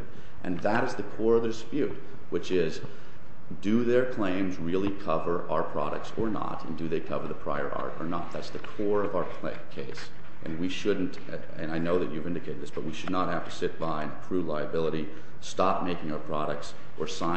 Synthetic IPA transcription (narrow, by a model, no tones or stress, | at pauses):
ʔɨ̰̃nðəɾɨzðɨkʰɔɹʌvðɨdɨspjʉt̚ | wɨt͡ʃɪz | dɨðə˞kʰl̥ẽɪ̃mzɹɪlˠikʰʌvə˞ʔa̰ʊə˞pʰɹ̥ɑ̰ɾɨ̰k̚tsə˞nə̰ɾɨ̰̃ndɨðeɪkʰʌvə˞ðəpʰɹ̥a̰ɪə̰˞ʔɑ̰ɹɾə̰˞nə̰t̪̚ðætsðɨkʰɔɹʌvaʊə˞kʰlḛ̃kʰeɪs | ʔɨ̰̃nwiʃʊdⁿn̩t | ɨ̰̃naɪnoʊðɨt͡ʃʉvɪ̃ndɨkʰeɪɾd̪ðɪsb̥ʌt̚wiʃɨdⁿnət̚hæftɨsɪt̚b̥aɪɨ̃nɨkʰɹ̥ʉlaɪɨbɪlˠəɾi | stɑp̚meɪkɪ̃ŋaʊə˞pʰɹ̥ɑɾɨk̚ts | ʔə˞sãɪ̃